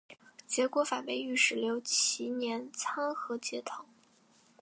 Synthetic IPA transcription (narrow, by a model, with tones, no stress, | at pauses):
t͡ɕjɛ˧˥kwɔ˧˥fa˨˩pe˧˥˩ɪy˥˩ʂɻ̩˨˥˩ljo˧˥ʊt͡ɕʰi˧˥njɛ˧˥nt͡sʰa˥ŋxɤ˧˥t͡ɕjɛ˧˥t̪ʰɤ˧˥˦ŋ